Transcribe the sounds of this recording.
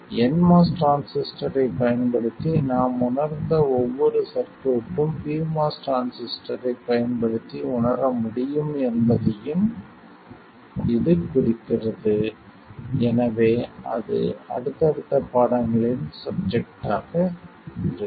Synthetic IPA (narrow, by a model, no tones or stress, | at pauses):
ɛnmaːsʈɾaːnsɪsʈɐɾɐɪpɐjɐnpɐɽɯt̪ːinaːmʊɳɐɾnd̪ɐɔʋːɔɾɯsɐɾkoːpːɯmpiːmaːsʈɾaːnsɪsʈɐɾɐɪpɐjɐnpɐɽɯt̪ːiʊɳɐɾɐmʊɽɪjɯmɛnbɐðɐjɯm | ɪðɯkʊrɪkːɪrɐðɯ | ɛnɐʋeːɐ̰ðɯ̰ɐ̰ɽɯt̪ːɐɽɯt̪ːɐpaːɽɐŋɡɐɭɪsɐb̚d͡ʒɛk̚ʈaːɣɐ | ɪɾɯ